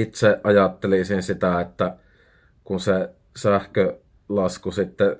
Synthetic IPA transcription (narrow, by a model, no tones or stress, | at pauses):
it̪seʔʔɑjɑt̪ːelisinsit̪æet̪ːæ | kunse | sæhkø | lɑskusit̪ːe